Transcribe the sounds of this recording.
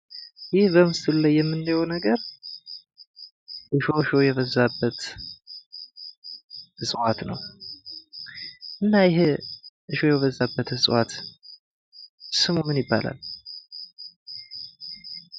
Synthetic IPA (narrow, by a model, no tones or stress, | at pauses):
jɪhbəmɨst̪ʰɨllajːɛmːɨnːajonəɡəɾ | ʔɨʃo̞ɨʃo̞jɛβəzːabːət̪ | hɨsʼwat̪nə̰w | ʔɨnːajɪɦeʔɨʃo̞jɛβəzːabːət̪hɨsʼwat̪ | sɨmumɨnjɪbːa̰lʔa̰l